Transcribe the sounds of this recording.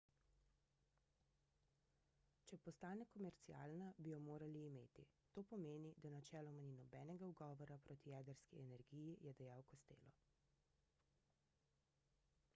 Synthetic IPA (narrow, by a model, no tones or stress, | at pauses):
t͡ʃɛpɔst̪aːnɛkɔmɛɾt̪sia̰ːlnabijɔmoːɾaliːmeːt̪it̪oːpɔmeːnid̪anat͡ʃɛːlɔmaninɔbɛːnɛɡauɡɔːʋɔɾapɾoːt̪ijɛːd̪əɾskiɛnɛɾɡiːjijɛd̪ajaːwkɔst̪ḛːlɔ